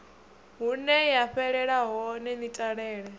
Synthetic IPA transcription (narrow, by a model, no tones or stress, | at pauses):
ɦunɛjaɸɛɺɛɺaɦɔnɛnitʼaɺɛːɺɛ